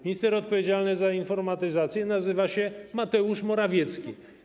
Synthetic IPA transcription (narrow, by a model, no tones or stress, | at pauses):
mʲiɲist̪ɛɾɔt̪̚pɔvʲjed͡ʑalnɘzainfɔɾmat̪ɘzat̪sʲjɛnazɘvaɕɛmat̪ɛuʂmɔɾavʲjɛt̪skʲi